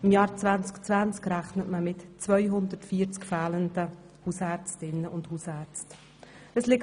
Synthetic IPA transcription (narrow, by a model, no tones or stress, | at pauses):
ɪmjɑːɾt͡svænt͡skt͡svænt͡skɾæχnətməmɪtt͡svœʏɦʊnd̪ərtfiːəɾt͡skfæːləndə | huːsæɾt͡stɪnːəʔʊnd̥huːsæːɾt͡st | əslɪk